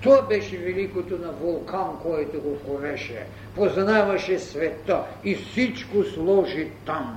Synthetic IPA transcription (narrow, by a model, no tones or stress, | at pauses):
t̪oabɛʃɛvɛlikot̪onavolˠkankɔɛt̪oɡokoɾɛʃɛ̰ | poznavaʃɛsvɛt̪ːa | ifsit͡ʃkoslˠɔʒit̪am